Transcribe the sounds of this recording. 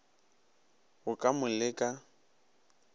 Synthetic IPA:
ɣʊkʼamʊlɪkʼa

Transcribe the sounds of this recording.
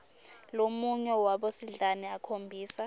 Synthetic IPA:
lomuɲɛwaɓosiɮaniakʰombʱiːsa

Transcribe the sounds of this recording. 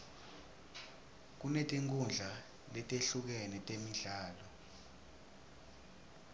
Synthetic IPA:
k̬unetʼiŋkʰʼund͡ɮʱa | lɛtʼeɬuk̬ɛnɛtʼemiɮaːlɔ

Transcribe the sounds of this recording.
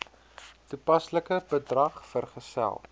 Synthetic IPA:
tupɐsləkəbədrɐχfərχəsæ̰lˠ

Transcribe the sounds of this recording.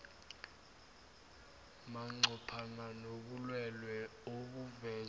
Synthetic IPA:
maŋ͡ǀʱɔpʰananoɓulwɛlwɛok̬uvɛː

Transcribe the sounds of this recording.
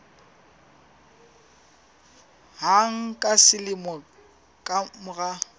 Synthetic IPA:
ɦaŋ̩kʼasɪlɪmɔ | kʼamʊɣa

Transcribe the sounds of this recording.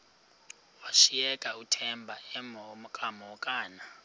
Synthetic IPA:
waʃiɛkʼautʰɛmbʱaɛmkʼamɔkʼaːna

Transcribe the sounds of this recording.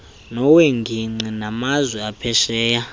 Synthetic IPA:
nɔweŋɡʱiŋ͡ǀinamazwɛapʰɛʃɛːja

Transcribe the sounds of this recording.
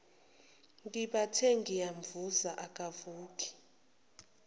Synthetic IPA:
ŋkiɓatʰɛŋɡʱijaɱvuzaʔakʼavuːkʼi̥

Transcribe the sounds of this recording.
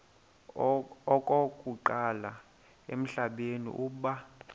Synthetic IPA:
ɔkʼokʼuǃala | ḛm̩ɬaɓenḭʔuːɓa

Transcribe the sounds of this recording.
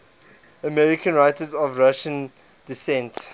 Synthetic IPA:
əmɛɹikə̃nɹaɪtəzɔvɹaʃə̃n | disɛ̃nt

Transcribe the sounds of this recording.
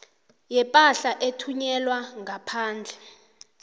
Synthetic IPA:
jɛpʼaɬaʔetʰuɲɛlwaŋʱapʰaːnd͡ɮʱɛ

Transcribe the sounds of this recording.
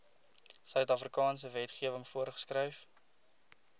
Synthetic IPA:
sœɥtɐfrikɑːns̬əvɛtχiəvəŋfuərχə̥skrɛjf

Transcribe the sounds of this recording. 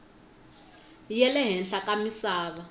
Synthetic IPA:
jɛlɛɦɛnɬakʼamisaːβa

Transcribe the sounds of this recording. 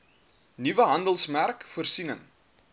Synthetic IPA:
nivəɦɐndəlˠsmærkfərsinə̰ŋ

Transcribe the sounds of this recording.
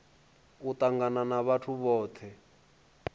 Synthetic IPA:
ut̪aŋɡananaβatʰuβɔːt̪ʰɛ

